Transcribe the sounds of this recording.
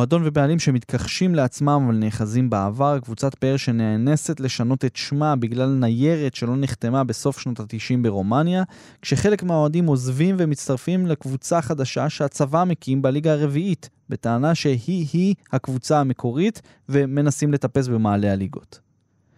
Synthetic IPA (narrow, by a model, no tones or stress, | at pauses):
oado̞nve̞bealimʃe̞mit̪kʰaχʃimleat͡smamavalneχazimbeavaʁakvut͡sat̪peeʁʃe̞neene̞se̞t̪le̞ʃano̞t̪e̞tʃmabiɡlalnaje̞ʁetʃe̞lo̞niχt̪e̞mabe̞so̞fʃnot̪at̪iʃimbe̞ʁo̞manja | kʃe̞χe̞le̞kmeao̞adimo̞zvimve̞mitt͡st̪aʁfimlekvut͡saχad̪aʃaʃeat͡savame̞kiimbaliɡaːʁe̞viit | be̞t̪aːnaʃe̞hihihakvut͡saame̞kʰo̞ʁit̪ | ve̞me̞nasimle̞t̪ape̞s̬bemaːlealiɡo̞̰t̪